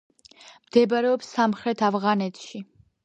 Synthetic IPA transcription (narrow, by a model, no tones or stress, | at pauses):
md̪̥ɛbɾɛɔpsamχɾɛt̪ʰavʁanɛt̪ʰʃi